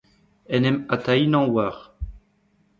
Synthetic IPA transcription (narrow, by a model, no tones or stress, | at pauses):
ɛnɛmat̪ainɑ̃ːwaʁ